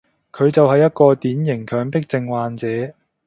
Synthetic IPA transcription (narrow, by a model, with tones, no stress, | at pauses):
kʰɵ˨˧ɥt͡sɐ˨whɐ˨jːɐ˥t̚kɔː˧t̪iː˨˥njɪ˨˩ŋkʰœː˨˥ŋpɪ˥k̚t͡sɪ˧ŋwaː˨˧nt͡sɛː˨˧